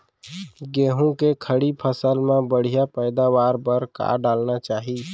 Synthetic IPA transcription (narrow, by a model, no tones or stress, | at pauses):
ɡeːɦũkekʰəɽipʰəsəlmẽbəɽ̤ijapəːd̪aʋaːɾpəɾka̰ɖaːlnat͡ʃaːɦi